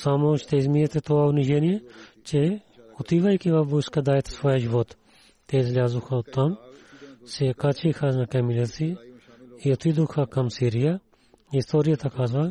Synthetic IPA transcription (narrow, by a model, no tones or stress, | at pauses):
samoʃt̪ɛizmijɛt̪ɛt̪oaʊniʒɛnijɛt͡ʃɛot̪ivɐjkivɐfbuskɐd̪ajɛt̪svɔjəʒivɔt̪ | t̪ːɛizlʲazʊxɐot̪ːam | sɛkat͡ʃixɐnɐkɛmilɛsi | iot̪id̪uxɐkɐmsiɾijɐ | ist̪ɔɾijɐt̪ɐkazvɐ